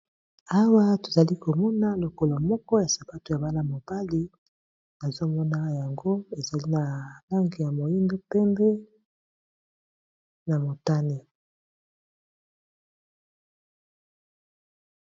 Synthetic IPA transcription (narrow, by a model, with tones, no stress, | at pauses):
a˦wa˦to̥˨za˨li˦ko˨mɔ˦na˦lo˨ko˨la˨mɔ˦kɔ˦ja˨sa˨pa˦to˨ja˨ba˦na˦˨mo˨b̥a˦li˦ | na˨zo˦mɔ˦na˦ja˨ŋɡo˦e˨za˨li˦na˨la˦ŋɡi˨ja˨mo˨ji˦ndo˦pɛ˦mbɛ˦ | na˨mo˨ta˦ne˨